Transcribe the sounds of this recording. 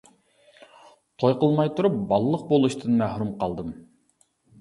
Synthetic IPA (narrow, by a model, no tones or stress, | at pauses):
t̪ʰojqəlˠmɑjt̪uɾup̚bɑlˠlˠəq̚bolˠuʃt̪ʰɨnmæhɾumqʰɑlˠd̪ɨm